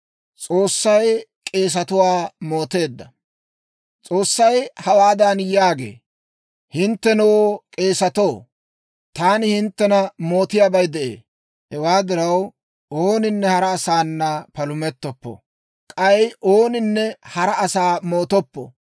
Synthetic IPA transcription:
t͡sʼo̞ːsːɐj | kʼe̞ːs̬ɐt̪ʊwaːmo̞ːt̪e̞ːd̪ːɐ | t͡sʼo̞ːsːɐjhɐwaːd̪ɐnjaːɡḛː | hɪnt̪ːɛnowkʼe̞ːsɐt̪o̞ː | t̪aːnɪhɪnt̪ːɛnɐmo̞ːt̪ɪjaːbɐjd̪ɛʔḛː | hɛwaːd̪ɪɾɐw | oːnɪnːɛhɐɾɐːsaːnːɐpɐlʊmɛt̪ːɔpːɔ̰ | kʼɐjʔo̞ːnɪnːɛhɐɾɐɐsaːmo̞ːt̪ɔpːɔ̰

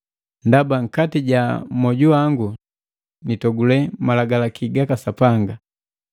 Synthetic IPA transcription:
ndabaŋ̩katiɟamɔɟuaŋɡu | nitɔɡulɛmalaɡalakiɡakasapaŋɡa

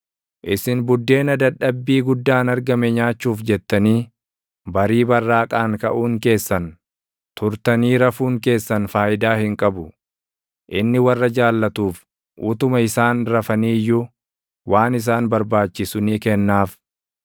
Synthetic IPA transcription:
ʔɪsɪnbʊd̪ːe̞ːnɐd̪ɐᶑːɐbːiːɡʊd̪ːaːnɐɾɡɐmɛɲaːt͡ʃːuːfd͡ʒɛt̪ːɐniː | bɐɾiːbɐrːaːkʼaːŋkɐʔuːŋke̞ːsːɐn | t̪ʊɾt̪ɐniːɾɐfuːŋke̞ːsːɐnfaːʔɪd̪aːhɪŋkʼɐbʊ | ʔɪnːɪwɐrːɐd͡ʒaːlːɐt̪uːf | ʔʊt̪ʊmɐɪsaːnɾɐfɐniːjːʊ | waːnɪs̬aːnbɐɾbaːt͡ʃːɪsʊniːkɛnːaːf

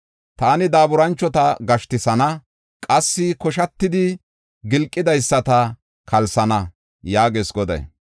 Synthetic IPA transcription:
t̪aːnɪd̪aːbʊɾɐnt͡ʃːɔt̪ɐɡɐʃt̪ɪsɐnɐ | kʼɐsːɪkɔʃɐt̪ːɪd̪ɪ | ɡɪlkʼːɪd̪ɐjsːɐt̪ɐ | kʰɐlsɐnɐ | jaːɡeːsɡɔd̪ɛ̰

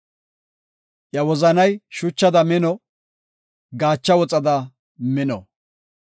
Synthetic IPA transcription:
ʔjɐwɔzɐnɐjʃʊt͡ʃːɐd̪ɐmɪnɔ | ɡaːt͡ʃːɐwɔt͡sʼɐd̪ɐ | mɪnɔ

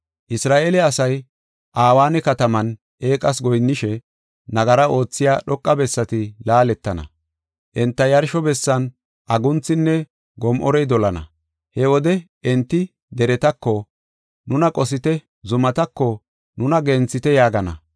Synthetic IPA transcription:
ʔɪsɾaːʔeːlɛɐsɐj | ʔaːwaːnɛkɐt̪ɐmɐn | ʔe̞ːkʼɐs̬ɡɔjnːɪʃɛ | nɐɡɐɾɐo̞ːt͡sːɪjaːɗɔkʼːɐbɛsːɐt̪ɪlaːlɛt̪ːɐnɐ̰ | ʔɛnt̪ːɐjɐɾʃɔbɛsːɐn | ʔɐɡʊnt͡sːɪnːɛ | ɡɔmʔɔɾɛjd̪ɔlɐnɐ̰ | hɛwɔd̪ɛ | ɛnt̪ːɪ | d̪ɛɾɛt̪ɐkːɔ | nʊnɐkʼɔsɪt̪ɛ | zʊmɐt̪ɐkːɔ | nʊnɐɡɛnt͡sːɪt̪ɛjaːɡɐnɐ̰

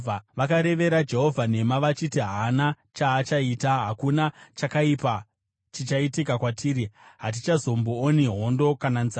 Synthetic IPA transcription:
ʋakaɾe̞ʋe̞ɾad͡ʒe̞ɦo̞vʱane̞maʋat͡ʃitiɦana | t͡ʃaːt͡ʃaiːtaɦakunat͡ʃakaipa | t͡ʃit͡ʃaitikakwatʰiːɾiɦat̬it͡ʃazo̞mboːniɦo̞ndo̞kananza

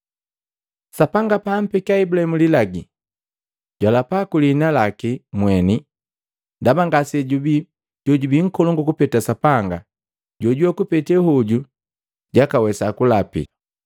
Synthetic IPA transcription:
sapaŋɡapam̩pɛkiaibulahɛmulilaɡi | ɟwalapakulinalakimwɛni | ndabaŋɡasɛɟubi | ɟ̥ɔɟubiŋ̩kɔlɔŋɡɔkupɛtasapaŋɡa | ɟɔɟwɔkupɛtɛhɔɟu | ɟakawɛsakulapḭ

